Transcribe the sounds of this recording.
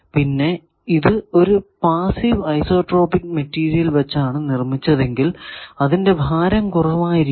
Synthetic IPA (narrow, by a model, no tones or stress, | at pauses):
pinːe̞ | iðɨo̞ɾupaːsiʋɐjso̞ːʈro̞ːpikːmetːiːɾijɐlʋɐt͡ɕːaːɳɨnirmit͡ɕːɐðe̞ŋɡilɐðinde̞bʱaːɾɐmkurɐʋaːjiɾi